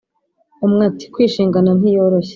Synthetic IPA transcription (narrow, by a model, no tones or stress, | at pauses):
umŋaːti̥kwiːʃiːŋɡanan̥ijoːɾoçe̥